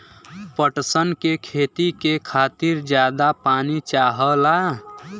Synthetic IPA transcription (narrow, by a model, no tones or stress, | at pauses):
pəʈsənkekʰeːt̪ikekʰaːt̪iɾd͡ʒjaːd̪apaːnit͡ʃaːɦəla